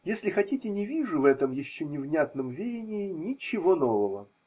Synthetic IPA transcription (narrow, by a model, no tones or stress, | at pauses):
jesʲlʲɪxɐtʲitʲɪnʲɪvʲiʐʊvɛt̪əmjɪɕːonʲɪvnʲat̪nəmvʲedʲɪnʲɪɪnʲɪt͡ɕːɪvo̞no̞vəvə